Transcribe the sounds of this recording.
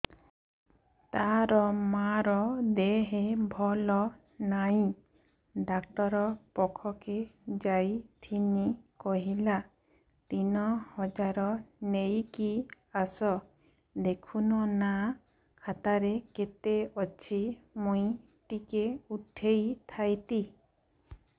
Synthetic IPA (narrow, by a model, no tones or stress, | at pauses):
t̪aɾɔmaɾɔd̪eɦebʱɔlɔ | najĩ | ɖakt̪ɔɾɔpɔkʰɔked͡ʒajt̪ʰinikɔɦila | t̪inɔhɔd͡ʒaɾɔnejki | asɔ | d̪ekʰunɔna | kʰat̪aɾeket̪eɔt͡ʃʰimuĩ | ʈikeut̪ʰːejt̪ʰajt̪i